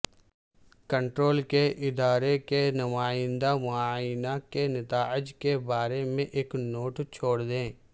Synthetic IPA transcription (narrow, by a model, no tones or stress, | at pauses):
kə̃ɳʈɾoːlkeʔɪd̪aːɾekenʊmaːɪ̃nd̪amʊaːnakenɪt̪aːɪd͡ʒkebaːɾemẽʔeːknoːʈt͡ʃʰoːɽd̪ẽː